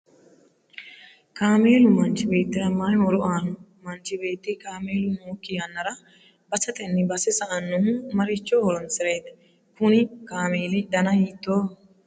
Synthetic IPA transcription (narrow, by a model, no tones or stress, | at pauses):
kaːme̞ːlʊmɐnt͡ʃɪbe̞ːt̪ːɪɾɐmaːjmɔɾʊʔaːnʊmɐnt͡ʃːɪbe̞ːt̪ːɪkaːmeːlʊnoːkːɪjɐnːɐɾɐ | b̥ɐsɐt̪ʼɛnːɪbɐsɛsɐʔɐnːʊmɐɾɪt͡ʃːɔhɔɾɔnsɪɾeːd̪ɐ | kʊnɪkaːmeːlɪd̪ɐnɐjiːt̪ːoː